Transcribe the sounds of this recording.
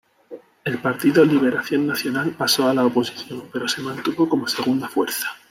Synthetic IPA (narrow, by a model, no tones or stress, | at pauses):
e̞lpaɾt̪iðoliβ̞e̞ɾaθjo̞nːaθjo̞nalpaso̞alaopo̞si̥θjo̞mpe̞ɾo̞se̞mãnt̪uβo̞ko̞mo̞se̞ɣ̞und̪afwe̞̰ɾθḁ